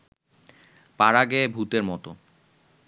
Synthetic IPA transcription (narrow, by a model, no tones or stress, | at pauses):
paɾaɡebʱut̪eɾmɔt̪o